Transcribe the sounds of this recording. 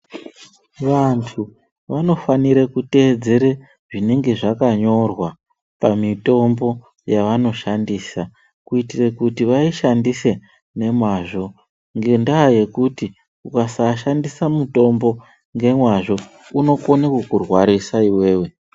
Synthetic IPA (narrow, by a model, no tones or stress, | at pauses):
ʋantʰu | ʋano̞faniɾekute̞d͡ze̞ɾe | ʐine̞ŋɡe̞ʐakaɲo̞rwa | pamito̞mbo̞ | jaʋano̞ʃandiːsa | kuitirekutiʋaiʃandise̞ | ne̞mwaʐo̞ | ŋɡe̞ndaːje̞kuti | kukasaʃandisamuto̞mbo̞ | ŋɡe̞mwaʐo̞ | uno̞konekwekurwaɾisaiwe̞ːwe̞